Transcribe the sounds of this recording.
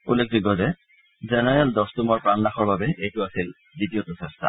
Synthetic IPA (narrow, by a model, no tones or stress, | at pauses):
ṵlːek̚ʰdiɡɔzɛ | zɛnɛɹɛldɔstumɔɹpɹanːaxɔɹbabɛʔejtʊasil | ditiɔtɔsɛstʰa̰